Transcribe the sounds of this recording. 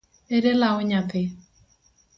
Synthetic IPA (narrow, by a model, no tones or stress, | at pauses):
eɾelaʊɲatɪ